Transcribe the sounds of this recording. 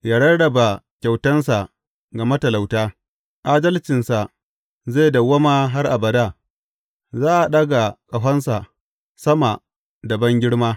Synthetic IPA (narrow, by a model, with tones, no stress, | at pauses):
jaː˦ɽɐ˦ɽɐ˨ba˨kʲa˨wtɐ˦nsa˨ | ɡɐ˨mɐ˦tɐ˨la˨wtaː˦ | ʔaː˦dɐ˦lt͡ʃɪ˨nsa˨ | zeː˦˨dɐ˨wɐ˦maː˦ɦa˦rʔa˨bɐ˨daː˦˨ | zaː˦ʔa˨ɗɐ˦ɡa˨kʼɐ˨ɦɐ˦nsa˨ | sɐ˦ma˨ | dɐ˨bɐ˦ŋɡʲɪ˦ɽmaː˦